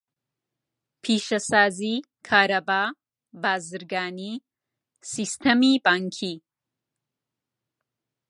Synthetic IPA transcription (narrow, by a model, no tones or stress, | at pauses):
pʰeːʃɐsaːzi | kʰaːɾɐbaː | baːzɐɾɡaːni | sist̪ʰɐmibaŋkʰi